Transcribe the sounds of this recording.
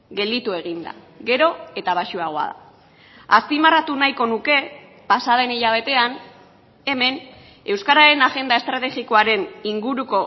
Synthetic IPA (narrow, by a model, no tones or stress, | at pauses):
ɡe̞ld̪it̪ue̞ɣ̞ind̪a̰ | ɣe̞ɾo̞e̞t̪aβ̞aʃuaɣ̞o̞a̰ða̰ | aspimarat̪unajko̞nuke̞ | pasað̞e̞niʎaβ̞e̞t̪e̞an | e̞me̞n | e̞wskaɾaɾe̞naɣe̞nd̪ae̞st̪ɾat̪e̞ɣiko̞aɾe̞niŋɡuɾuko̞